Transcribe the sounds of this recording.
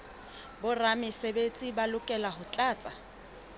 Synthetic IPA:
bʊramɪsebet͡sʼibalʊkʼɛlahʊt͡ɬʼaːt͡sʼa

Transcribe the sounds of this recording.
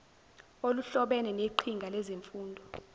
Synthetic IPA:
oluɬɔɓɛnɛneǃʰiŋɡʱalɛzeɱfuːndʱɔ

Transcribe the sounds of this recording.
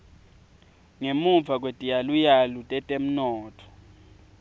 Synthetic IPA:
ŋemuɱvʱak̬ʼwetʼijalujalutʼɛtʼem̩nɔːtʰɔ̥

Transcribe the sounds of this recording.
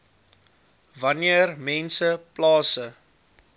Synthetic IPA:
vɐniərmɛnsəplɑːsə

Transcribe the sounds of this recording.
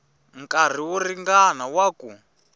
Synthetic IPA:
ŋkʼar̤iwɔriŋɡanawaku

